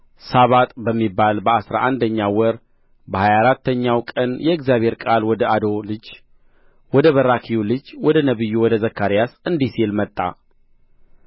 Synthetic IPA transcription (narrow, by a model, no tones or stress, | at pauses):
saβat̪ʼbəmːibːalbəasɾa̰ʔand̪əɲːawɔɾ | bəhajaɾat̪ːəɲːawkʼənjɛɛɡzjaβʱhe̞ɾkʼalwɔd̪əad̪o̞lɨd͡ʒ | wɔd̪əβəɾakʰijulɨd͡ʒwɔd̪ənəβɨjːuwɔd̪əzəkʰːaɾijasɨnd̪isilmət̪ʼːa̰